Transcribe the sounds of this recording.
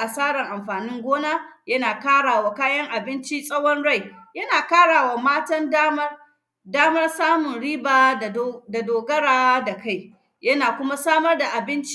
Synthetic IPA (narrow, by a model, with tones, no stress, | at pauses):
ʔa˨saː˦ɽɐ˨ŋʔa˨mɸaː˨nɪ˦ŋɡʷoː˦naː˦jɐ˦naː˨kaː˦ɽaː˨waː˨kaː˦jɐ˦ŋʔa˨bɪ˦nt͡ʃi˦sʼɐ˦wɔ˦nɽa˦˨jjɐ˦naː˨kaː˦ɽaː˨wa˨maː˦tɐ˦ndaː˦mɐ˦r | daː˦mɐ˦rsaː˦mʊ˨nɽiː˦baː˨da˨doː˨ɡɐ˦ɽaː˨˦da˨ka˦˨j | jɐ˦naː˨kʷʊ˦ma˦saː˦mɐ˦rda˨ʔa˨bɪ˦nt͡ʃ